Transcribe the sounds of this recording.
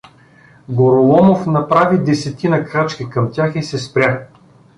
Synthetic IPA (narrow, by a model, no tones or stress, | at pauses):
ɡoɾolˠɔmofnɐpɾavid̪ɛsɛt̪inɐkɾat͡ʃkʲikɐmt̪ʲjaxisɛspɾʲja